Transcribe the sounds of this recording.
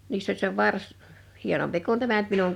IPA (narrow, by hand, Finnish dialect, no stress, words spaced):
niːsː olʲ se ʋɑrs hienompi kun tæmæ ny̆t minuŋ